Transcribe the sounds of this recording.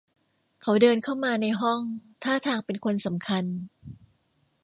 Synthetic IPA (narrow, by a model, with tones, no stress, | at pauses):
kʰa˩˦wdɤː˧nkʰa˥˩wmaː˧na˧jɦɔ˥˩ŋt̪ʰaː˥˩t̪ʰaː˧ŋpe˧nkʰo˧nsa˩˦mkʰa˧n